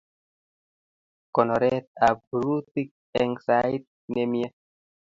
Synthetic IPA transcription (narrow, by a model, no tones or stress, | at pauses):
konoɾɛt̪̚abɾut̪ik̚ | ɛŋsajt̪̚ | nemie